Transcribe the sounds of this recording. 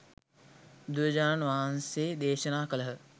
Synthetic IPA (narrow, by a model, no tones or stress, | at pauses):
d̪ujəd͡ʒaːnʋaɦanseːd̪eːʃənaːkələɦə